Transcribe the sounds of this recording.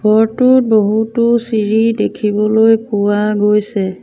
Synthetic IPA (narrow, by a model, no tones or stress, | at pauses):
ɡʱɔɹtʊt̚boɦutʊsiɹidekʰibɔlojpʊwaɡojsɛ